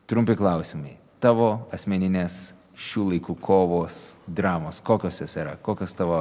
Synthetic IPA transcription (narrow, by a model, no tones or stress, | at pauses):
t̪ɾʊmʲpʲɪklˠɐˑʊsʲɪmɐɪ | t̪ɑːʋoːɐsʲmʲɛnʲɪnʲeːs | ʃʲuːlˠɐɪkuːkʰoːʋoːsd̪ɾɑːmoːskoːkʲoːsjɛsiːɾɐ̰koːkʲoːst̪ɑːʋoː